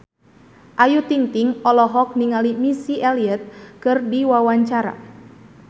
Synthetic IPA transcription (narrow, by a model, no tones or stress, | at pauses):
ʔajut̪iŋt̪iŋɔlɔɦɔk̚niŋalimisiʔɛliɛt̪̚kɨrdiwawaɲt͡ʃaɾa̰